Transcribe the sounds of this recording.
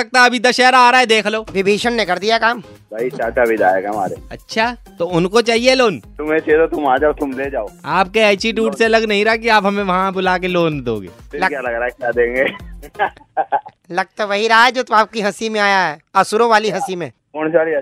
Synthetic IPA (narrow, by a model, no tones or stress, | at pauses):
ɐk̚t̪aɐbʱid̪ɐʃɛɾaːɾaːɦɛd̪eːkʰloːʋɪbʱiːʃənnekɐɾd̪ijakaːm | bɐit͡ʃaːt͡ʃabʱid̪aːeɡma̰ːɾeɐtːʃʰaːt̪oʊnkot͡ʃaːɦieloːnt̪ʊmẽt͡ʃed̪ot̪ʊmaːd͡ʒaot̪ʊmleːd͡ʒaːoːaːp̚keɛːt͡ʃiʈuːʈseɐlɐɡnɐɦĩɾakiaːpɦɐmẽʋɐɦãbʊlaːk̬eloːnd̪õ̰ːɡḛːlɐkjalɐɡɾaekjaːd̪ẽːŋɡeː | lɐɡ̚t̪aʋɐɦiɾaaɛd͡ʒoːt̪aːp̚kiɦɐsimẽaːjaɦɛɐsʊɾõʋaːliɦɐsimẽːkɔːnsaːɾiɐ